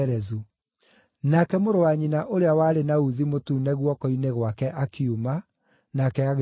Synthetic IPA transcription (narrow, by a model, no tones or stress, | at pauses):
ɾɛzu | nakɛmoɾowaɲinaʔoɾeawaːɾenauðimotuːnɛɣwɔkɔineɣwakɛʔakʰiuma | nakɛaɣ